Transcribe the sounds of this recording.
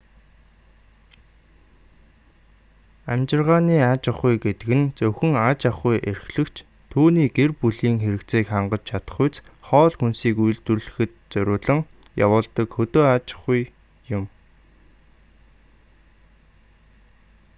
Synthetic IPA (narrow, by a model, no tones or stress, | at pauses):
æmt͡ɕɪ̆rʁaːniːat͡ɕaχujɡet̪ɘ̆kɘ̆nt͡sɵwxɘ̆ŋat͡ɕaχujʔer̆xɮɘ̆kt͡ɕʰ | t̪ʰuːniːɡerpuɮiːŋxeɾɘ̆kt͡seːkχaɴɢə̆t͡ɕt͡ɕʰat̪ə̆χʊjt͡sχɔːɮxunsiːkuj̆ɮt̪ŭrɮɘ̆xɘ̆t̪̚t͡sœɾʲʊːɮə̆ŋ | ja̰wʊːɮt̪ə̆kxɵt̪oːat͡ɕḁχuj | jʊm